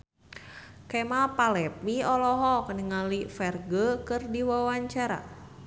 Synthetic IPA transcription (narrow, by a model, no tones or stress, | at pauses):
kɛmapalɛpiɔlɔɦɔkənəŋalifɛrɡəkɨrdiwawaɲt͡ʃaɾa̰